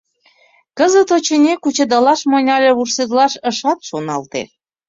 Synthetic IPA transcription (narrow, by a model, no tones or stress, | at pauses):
kəzət̪ot͡ɕenʲekut͡ɕə̆d̪ɑlɑʃmonʲɑlʲeβursezlɑʃəʃɑt̪ʃonɑlt̪ḛ